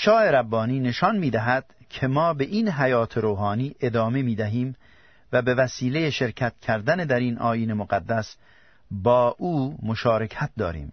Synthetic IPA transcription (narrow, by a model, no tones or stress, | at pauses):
ʃɒːe̞ɾæbːɒːniːne̞ʃɒnmiːd̪æɦæd̪̥ | kʰe̞mɒːbe̞ʔinɦæjɒːt̪ʰeɾoːɦɒːniːʔe̞d̪ɒːmemiːd̪æɦiːm | væbe̞væsiːlejeʃe̞ɾcʰæt̪̚ʰkʰæɾd̪æned̪æɾiːnʔɒ̰ːjiːne̞moɡæd̪ːæs | bɒːʔuːmoʃɒːɾe̞kʰæt̪̚d̪ɒːɾḭːm